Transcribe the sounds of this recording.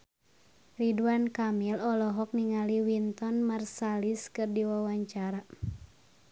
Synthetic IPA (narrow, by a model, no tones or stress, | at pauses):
riduankamilɔlɔɦɔk̚niŋaliwint̪ɔnmarsaliskɨrdiwawaɲt͡ʃaɾa